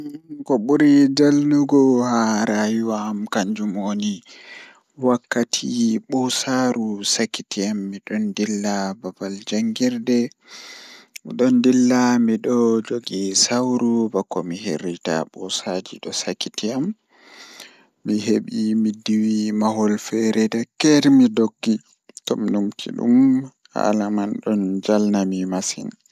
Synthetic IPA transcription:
kɔɓuɾid͡ʒalnuɡɔhaɾajuwaːmkaɲd͡ʒumoni | wakːatʰiɓɔsaɾusakitʰiamːiɗɔndilːababald͡ʒaŋɡiɾdɛ | ɗɔndilːamiɗɔd͡ʒoɡisawɾubakɔmiɦḛɾita̰ɓɔsad͡ʒḭɗɔsakːitiam | iɦeɓimidiwimaɦɔlfɛɾɛdakɛɾmidoɡːi | tɔminumtʰḭɗṵm | ha̰lamanɗɔnd͡ʒalnamimasḭn

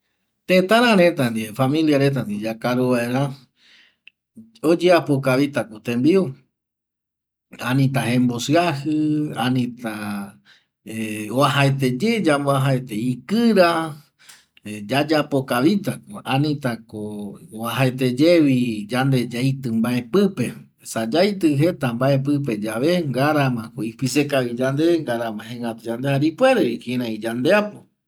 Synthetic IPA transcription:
t̪ẽt̪ãɾãɾet̪and̪ifamĩljaɾe̞t̪̬and̪id͡ʒakaɾuβaeɾã | od͡ʒeapokaβit̪akut̪ẽmbiu | anĩt̪̬aɦẽmbosɨahɨanĩt̪a | eoaɦaet̪̬e̞d͡ʒe̞d͡ʒamboaɦaet̪eikɨɾa | d͡ʒad͡ʒapo̞kaβit̪akoãnĩt̪akooaɦaet̪̬e̞d͡ʒeβid͡ʒand̪e̞d͡ʒajt̪ɨmbae̞pɨpe̞ | sad͡ʒajt̪ɨɦe̞t̪ambae̞p̬ɨp̬e̞d͡ʒaβeŋɡaɾamãkoipisekaβid͡ʒand̪eŋɡaɾamãɦẽŋɡat̪ud͡ʒand̪ehaɾipwe̞ɾeikẽɾãid͡ʒand̪eapo

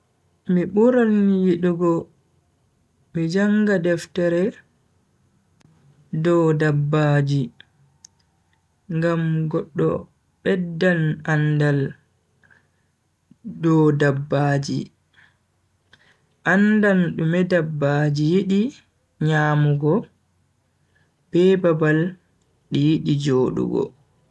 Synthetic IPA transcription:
miɓuɾanjiɗuɡɔ | mid͡ʒaŋɡadɛftɛɾɛ | dɔdabːaːd͡ʒi | ŋɡamɡɔɗːɔ̰ | ɓɛdːanandal | dɔdabːaːd͡ʒḭ | ʔandanɗumɛdabːad͡ʒijiɗi | ɲaːmuɡɔ | b̥ɛbabal | ɗijiɗid͡ʒoːɗṵɡɔ̰

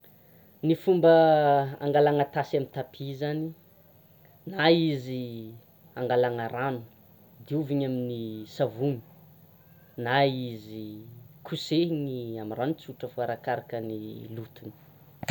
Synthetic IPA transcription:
nifumbəa̰ŋɡalaŋat̪asamint̪apʰizani | naizi | aŋɡalaŋaɾanu̥ | d̪iuviɲaminisavuni̥ | naizikʰuseniamiranit͡suʈ͡ʂəfuaɾakaɾakənilut̪uni̥

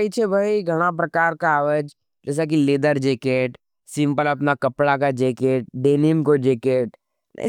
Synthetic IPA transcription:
it͡ʃʰebʱaiɡʱɐɽ̃ap̬ɾɐkaːɾkaːʋəd͡ʒ | d͡ʒɛːs̬ak̬ileːd̪əɾd͡ʒeːkeːʈ | sɪ̃mpəlɐpnakɐpɽakad͡ʒeːkeːʈ̚ɖeːnɪmkod͡ʒeːkeːʈ | n̰

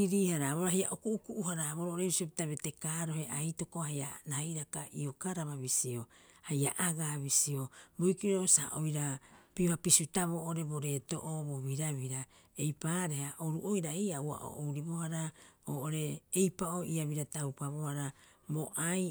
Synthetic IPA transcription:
iɾiːhaɾaβoɾahia̰ʔokuʔukuʔuhaɾaβoɾooɾebisiopitaβetekaːɾo̞ɦe̞ʔajto̞kohajaɾahajɾakaʔio̞kaɾaβaβisio̞hajaʔaɡaːβisiobojkiɾo̞sa̰ʔojɾapiohapisutaβoʔoɾe̞bo̞ɾe̞to̞̰ʔoboβiɾaβiɾa | ejpaɾe̞haʔoɾuʔojɾaejaua̰ʔo̰ʔowɾiβo̞haɾaoːʔoɾe̞ːjpao̞ʔiaβiɾatawpaβo̞haɾa | boʔaj

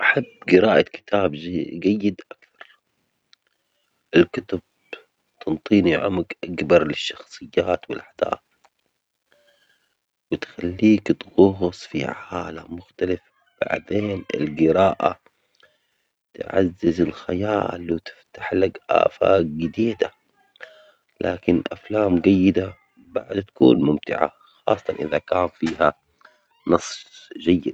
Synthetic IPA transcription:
ʔaħabːɡɪɾaːʔakɪ̥t̪ʰaːbɡajːɪd̪ʔakθɑ̥ɾˤ | ʔɪlkʊt̪ʊb̚ | t̪ɨnt̪ˤiːniʕʊ̰mkʔakbɑɾˤlɪʃːɑxsˤɨjːaːt̪wɪlʔaħd̪̥a̰ːθ | wɪt̪xalːiːkt̪ɣʊɦʊsˤfḭʕaːlamːʊxt̪alaf | b̥a̰ʕd̪eːnɪ̰lɡɪɾaːʔa̰ | t̪ʕa̰zːɪzɪlxajaːlwɪt̪ɪ̥ft̪aħlaɡʔa̰ːfa̰ɡɪd̪iːd̪a | lʔaːkɪnʔaflaːmɡajːɪd̪a | baʕd̪t̪ḁkṵːnmʊmt̪ɪ̰ʕa̰ | xɑ̰ːsˤːɑt̪ɑnʔɪðakaːnfiːɦa | nɑsˤʒajːɪd̪̚

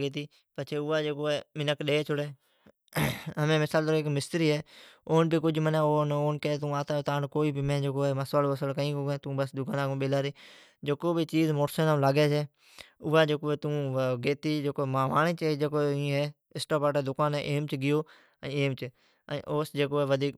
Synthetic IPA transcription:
ɡeːt̪̬iː | pət͡ʃʰeːʊːaːd͡ʒeːkoːeːmɪnəkɗeːt͡ʃʰʊɽeː | ɦəmẽːmɪsaːlt̪əɾoekmɪst̪ɾiːɦɛːoːnbiːkʊd͡ʒmənẽːoːnoːnkeːt̪ũːaːt̪aːt̪aːnkoːiːbimẽːd͡ʒeːkoːeːməsʋaːloːəsəlkəĩːkoːɡẽːt̪ũːbəsd̪ʊkãːnaːɡũːɓeːlaːɾeː | d͡ʒekoːbʱit͡ʃiːzmoːʈsənːlaːɡeːseː | ʊːaːd͡ʒeːkoːeːt̪ũːɡeːt̪iːd͡ʒeːkoːmaːʋaːnẽːt͡ʃːd͡ʒeːkoːĩːɦɛː | ɪsʈaːpaːʈeːd̪ʊkaːnḛʔeːmt͡ʃɡɪjoː | eːmt͡ʃ | əʔoːsd͡ʒeːkoːeːʋəd̪ʱiːk

